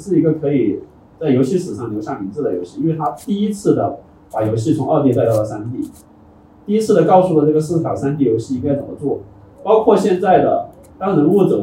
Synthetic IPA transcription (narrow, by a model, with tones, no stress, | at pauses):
ʂɻ̩˥˩i˧˥ɡə˧kʰɤ˧˥i˨˩ | t͡sa˥˩ɪjo˧˥ʊɕi˥˩ʂɹ̩˨˩ʂɑ˥˩ŋjjo˧˥ɕjɑ˥˩ŋmi˧˥ŋt͡sɹ̩˥˩d̪ə˩jo˧˥ɕi˥˧i˥nwe˥˧ɪt̪ʰa˥t̪i˥˩i˥t͡sʰɹ̩˥˩d̪ə˩ | pa˨˩jo˧˥ʊɕi˥˩t͡sʰʊ˧˥ŋʔə˞˥˧t̪̬jt̪a˥˧ɪɑ˥˩ə˩sa˥nt̪̬i˥˩ | t̪i˥˩i˥t͡sʰɹ̩˥˩d̪ə˩kɑ˥˧ʊʂu˥˩ɔ˧˩ʈ͡ʂɤ˥˩ɡə˩ʂɹ̩˥˩fa˨˩ə˩sa˥nt̪i˥˩jo˧˥ʊɕi˥˩i˥ŋɡa˥ɪt͡sə˨˩mə˦t͡swɔ˥˩ | pɑ˥ʊkʰwɔ˥˧ɕjɛ˥˧nt͡sa˥˩ɪd̪ə̰˩ | t̪ɑ˥ŋnɤ˧˥ŋu˥˩t͡sə˨˩m